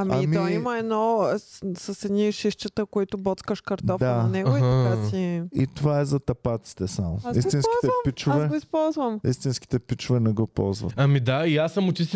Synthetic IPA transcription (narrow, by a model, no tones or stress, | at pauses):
ɐmiamiməɛd̪nɔ | sɐsɛd̪niʃiʃt͡ʃət̪əkoit̪ʊbɔt̪skəʃkɐɾt̪ɔfd̪anɛɡʊiasiḭt̪ovaɛzɐt̪ɐpat̪si̥t̪ɛsamo̰ist̪inski̥t̪ɛpit͡ʃʊavɛɡoispɔlˠzvɐmist̪inski̥t̪ɛpit͡ʃʊvɛnɛɡɔpɔ̰lˠzvɐ̰t̪ɐmid̪aiasːɐmʊt͡ʃist̪